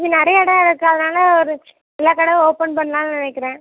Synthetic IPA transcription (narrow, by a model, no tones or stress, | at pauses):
ðɯnɪɾɐjɐɪɽɐ̃ɐɽɐkːɐðɯnaːlɐɔɾɯ | ɛlːaːkɐɽɐʋoːpɐnpɐɳːnaːlnɪnɛkːɪɾẽː